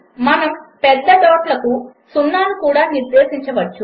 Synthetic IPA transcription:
mɐnɐmpɛd̪ːɐɖ̪ɔːʈlɐkusunːaːnukuːɽaːniɾd̪eːsiɲt͡ʃɐʋɐt͡ʃːu

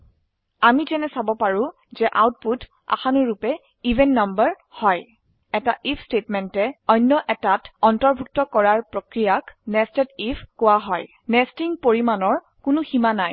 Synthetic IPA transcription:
amitɛnɛsabɔpaɹʊ̃ | zɛʔa̰wt̚put | a̰xanuɹupɛ | ivʱɛnːambəɹ | hɔj | ɛtaʔipʰstetmɛntɛɔjnːɔʔɛtatɔntɔɹbʱuk̚tɔkɔɹaɹpɹokɹijaknɛstɛtipʰkowaɦɔj | nɛstiŋpoɹimanɔɹ | kʊnʊximanaj

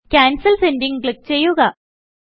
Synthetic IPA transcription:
kʲaːnsɐlsendiŋkɭik̚ːt͡ɕe̞jːuɣɐ

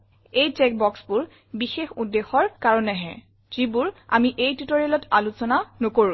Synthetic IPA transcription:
ejtɛk̚bɔksbʊɹ | bixexudːexɔɹkaɹɔnɛɦɛ̰ | z̥ibuɹa̰miʔejtutoɹɛlɔtalusɔnanokoɹũ

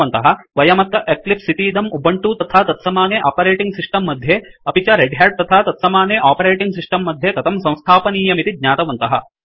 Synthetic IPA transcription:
ɐnt̪ɐɦɐ̆ʋɐjɐmɐt̪ːɐʔeklipsit̪iːd̪ɐmubɐɳʈuːt̪ɐt̪ʰaːt̪ɐt̪sɐmaːneːʔaːpɐɾeːʈiŋɡsisʈɐmːɐd̪ʱjeɐpit͡ʃɐɾeɖɦaːɖ̚t̪ɐt̪ʰaːt̪ɐt̪sɐmaːneːʔaːpɐɾeːʈiŋɡsisʈɐmːɐd̪ʱjet̪ɐt̪ʰɐmsɐ̃w̃st̪ʰaːpɐniːjɐmit̪id̪ɲaːt̪ɐʋɐnt̪ɐɦɐ̰

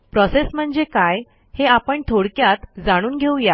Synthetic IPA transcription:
pɾɔsesm̤əɳd͡zekaj | heapəɳʈ̪ʰoɽkjat̪d͡zaɽ̃uːnɡʱewja

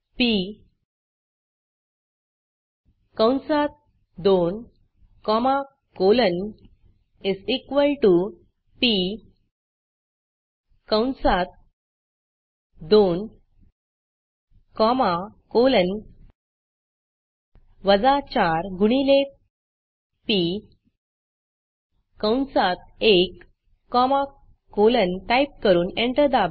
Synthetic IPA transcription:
pi | kə̃wnsat̪̚ | d̪on | kɔma | kolən | isikʋəlʈu | pi | kə̃wnsat̪̚ | d̪on | kɔmakolən | ʋəd͡zat͡ɕaɾɡuɽ̃ile | pi | kawnsat̪̚ekː | ɔma | kolənʈajp̚kəɾuːnẽɳʈəɾd̪ab

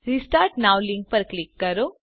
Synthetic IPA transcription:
ɾisʈaːɾʈnaːwliŋk̚pɐɾklikːɐɾo

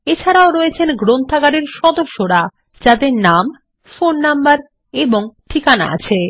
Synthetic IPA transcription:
et͡ɕʰaɾaoɾɔet͡ɕʰenɡɾont̪ʰaɡaɽeɾʃɔd̪oʃːoɾa | d͡ʑad̪eɾnam | fonːambaɾ | eboŋʈʰikana̰a̰t͡ɕʰe

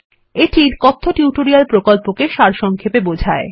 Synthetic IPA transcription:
eʈʰiɾkɔt̪ʰːoʈjuʈoɾialpɾokolpokeʃaɾʃɔŋkʰepebod͡ʑʱae

